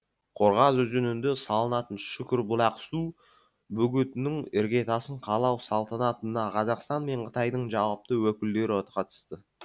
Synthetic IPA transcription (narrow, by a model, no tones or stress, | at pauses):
qʰo̞ɾʁɑzɵzenɪnd̪esɑlˠənɑt̪ənʃʏkʲɪɾbʊlˠɑqsu | bʏɡʲɪt̪ɪnɪŋɪɾɡʲe̞t̪ɑsəɴqʰɑlˠɑwsɑlˠt̪ɑnɑt̪ənɑqʰɑzɑqst̪ɑnme̞ɴqʰə̥t̪ɑjd̪əɴʒɑwəp̚t̪əwɵkʲɪld̪e̞ɾɪot̪qɑt̪ə̥st̪ə